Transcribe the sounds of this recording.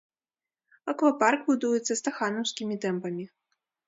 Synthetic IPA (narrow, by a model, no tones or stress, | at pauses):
ɐkvaparkbud̪ujɛt̪sːɐst̪axanɐwsʲkʲimʲit̪ɛmpɐmʲi